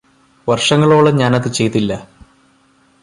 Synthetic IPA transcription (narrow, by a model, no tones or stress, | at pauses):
ʋɐrʂɐŋːɐɭo̞ːɭeɲaːnɐðɨt͡ɕejt̪ːilːɐ